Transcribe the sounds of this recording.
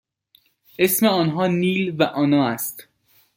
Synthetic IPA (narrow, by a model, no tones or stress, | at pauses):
ʔesmeɒːnɦɒːniːlvæʔɒːnɒːæst̪